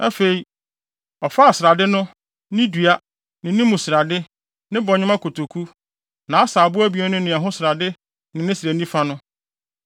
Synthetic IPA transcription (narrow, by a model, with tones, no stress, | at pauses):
a˦fe˨i˨ | ɔ˨fa˦a˨sɪ˨ɾa˨dɪ˦nʊ̃˦ | nɪ̃˦dɥa˦ | nɪ̃˨nɪ̃˦mũ˨sɪ˨ɾa˨dɪ˦ | nɪ̃˦bɔ˨ɲɪ̃˦mã˦kʰo˨tʰo˨kʰu˦ | nã˨˦a˦saː˨bʊ˦æ˦bi˨˦ɔ˦nʊ̃˦nɪ̃˨a˨ɦʊ̃˦sɪ˨ɾa˨dɪ˦ | nɪ̃˨nɪ̃˦sɪ˨ɾæ˨nĩ˦fa˦nʊ̃˦